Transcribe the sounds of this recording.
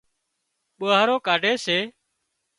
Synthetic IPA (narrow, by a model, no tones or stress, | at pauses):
ɓoːaːɾoːkaːɖʱeːseː